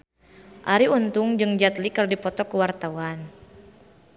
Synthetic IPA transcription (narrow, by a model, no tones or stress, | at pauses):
ʔaɾiunt̪uŋd͡ʒɨŋd͡ʒat̪likərdipɔt̪ɔkuwart̪auan